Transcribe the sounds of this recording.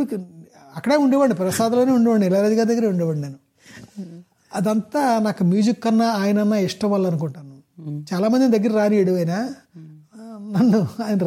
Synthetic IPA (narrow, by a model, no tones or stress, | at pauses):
ɐkːɐɽeːuɳɖeʋɐɳɖipɾɐsaːd̪ɐloːneːuɳɖeʋɐɳɖilaːɾɐd̪iɡaːd̪ɐɡɐɾeːuɳɖɐʋɐɳeːnu | ɐd̪ɐnt̪aːnaːkumjuːd͡ʒikːɐnːaːaːjɐnɐnːaːiʂʈɐmʋɐlːɐnuk̬uɳʈaːnu | t͡ʃaːlaːmɐnd̪ind̪ɐɡːɐɾiɾaːnieɽiʋɐjnaː | nɐnːuaːjnɐ